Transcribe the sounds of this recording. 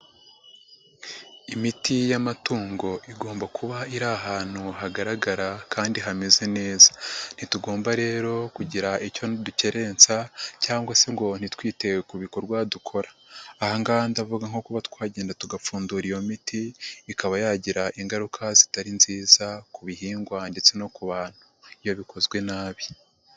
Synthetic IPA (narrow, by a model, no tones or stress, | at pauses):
imitijamatuːŋɡo̞ʔiɡo̞ːmbakuβaiɾaɦaːn̥huɦaɡaɾaɡaɾakaːndiɦamezene̞ːzḁn̥ituɡo̞ːmbaɾe̞ːɾo̞kuɟiɾaico̞nduce̞ɾe̞nt͡sacaːŋɡwaseŋɡo̞n̥itwiːte̞wekuβikoɾɡwadukʰo̞ɾaːhaŋɡandavuɡaŋo̞kuβatkwaːɟe̞ːndatuɡafuːnduɾijo̞mitiːkaβajaɟiɾaʔiŋɡaɾukʰazitaɾinziːzakuβiɦiːŋɡwande̞t͡se̞no̞kuβaːn̥huijo̞βikʰo̞zɡwe̞naːβi